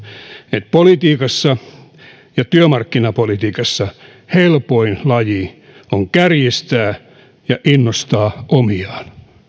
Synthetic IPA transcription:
et̪̚polit̪iːkɑsːɑ | jɑt̪yømɑrkːinɑpolit̪iːkɑsːɑ | helpoinlɑji | oŋkærjist̪æː | jɑʔinːost̪ɑːʔomiɑːn

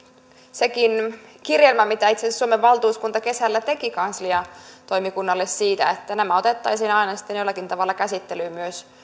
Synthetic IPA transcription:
sekinkirjelmæmit̪æit̪sesssuomeʋʋɑlt̪uːskunt̪ɑke̞sælːæt̪e̞kikɑnsliɑt̪o̞jmikunːɑlːessiːt̪æet̪ːænæmæo̞t̪et̪ːɑjsinɑinɑsi̥t̪ːenjolːɑkint̪ɑʋɑlːɑkæsit̪ːelyːmyøs

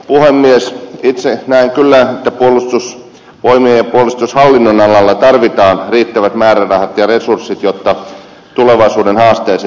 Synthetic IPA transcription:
puhemːiesit̪senæiŋkylːæːet̪ːæpuolːˑust̪us | ʋoimeːjɑpuolust̪ushɑlːinːonɑlɑlːɑt̪ɑrʋit̪ɑːnriːt̪ːæʋæt̪mæːrærɑhɑt̪jɑresursːit̪jot̪ːɑ | t̪uleʋɑisuːdenhɑːst̪eːse

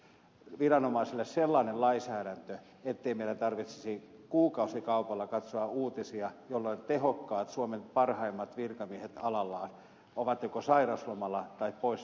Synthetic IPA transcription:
ʋirɑnomɑiselːesselːɑːnellɑisæːɾænt̪ø | et̪ːeimeilæt̪ɑrʋit̪se̥sikuːkɑusikɑupɑlːɑkɑt̪soɑuːt̪isiɑjolːoinʲt̪ehokːɑːt̪suomenpɑrhɑimːɑt̪ʋirkɑmiehet̪ɑlɑlːɑːn | oʋɑt̪jokosɑirɑslomɑlːˑɑt̪ɑippois

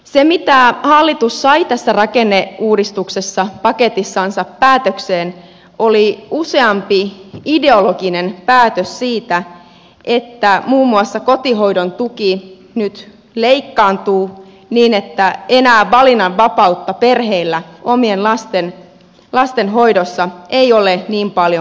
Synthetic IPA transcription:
se̞mit̪æhɑlːit̪usːɑit̪æsːærɑkenːeuːdist̪uksesːɑpɑke̞t̪isːɑnsɑpːæːt̪økseːn | o̞liuse̞ɑmpiideoloɡine̞npæːt̪øssiːt̪æ | ʔe̞t̪ːæmuːmːuɑsːɑko̞t̪iɦo̞idont̪uki | nyt̪ | leikːɑːnt̪uː | niːnet̪ːæe̞næːʋʋɑlinɑʋʋɑpɑut̪ːɑpe̞rɦeilːæo̞mienlɑst̪en | lɑst̪enɦo̞jdosːɑeio̞leniːmpɑljo

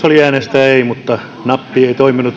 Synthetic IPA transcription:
oliæːnest̪æeimut̪ːɑ | nɑpːieit̪oiminut̪

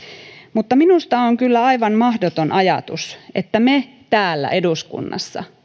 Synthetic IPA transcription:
mut̪ːɑminust̪ɑoŋkylːæɑiʋɑnmɑhdot̪onʔɑjɑ̰t̪use̞̰t̪ːæme | t̪æːlːæ̰ʔe̞duskṵnːɑ̰sːɑ̰

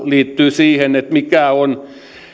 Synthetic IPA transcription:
liːt̪ːyːsiːhenet̪mikæon

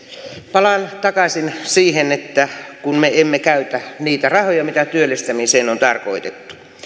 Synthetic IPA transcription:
pɑlɑnt̪ɑkɑsinsiːhenet̪ːækunmeemːekæyt̪æniːt̪ærɑhojɑmit̪æt̪yølːest̪æmiseːnont̪ɑrkoit̪et̪ːu̥

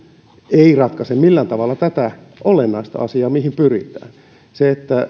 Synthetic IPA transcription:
eirɑt̪kɑsemmilːænt̪ɑʋɑlːɑt̪æt̪æ | olenːɑist̪ɑ̰ɑsiɑːmihimpyrḭt̪æ̰ːn | seet̪ːæ

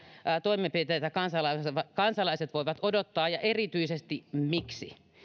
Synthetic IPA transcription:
t̪oimempit̪ejt̪ækɑnsɑlɑʋɑkɑnsɑlɑiset̪ʋoiʋɑt̪odot̪ːɑːjɑʔerit̪yisest̪imiksḭ

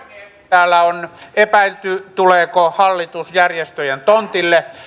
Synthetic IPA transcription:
æːlːæonepæilt̪yt̪uleːˑkohɑlːit̪usjærjest̪øjent̪ont̪ilːe

